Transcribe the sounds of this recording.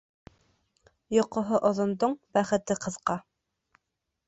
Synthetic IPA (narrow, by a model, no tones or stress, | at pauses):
jŏqŏɦoʔŏðŏnd̪oɴbæχɘ̆t̪ɘqɤ̆ðqɑ